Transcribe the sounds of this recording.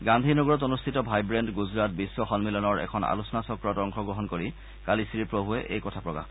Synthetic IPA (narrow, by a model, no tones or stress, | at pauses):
ɡandʱinoɡɔɹɔt̬onustʰitɔbʱajbɹɛndɡuzɹat̚bisːwɔxɔnmilɔnɔɹɛ̰kʰɔna̰lusɔnasɔkɹɔtɔŋxʰɔɡɹɔɦɔnkoɹi | kalisiɹipɹobuɛʔḛjkɔtʰapɹɔɡa̰